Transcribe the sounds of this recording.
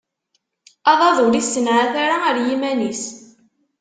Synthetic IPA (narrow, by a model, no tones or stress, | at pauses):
ɑðˤɑðˤʊɾisːənʕaθaɾaəɾjimænis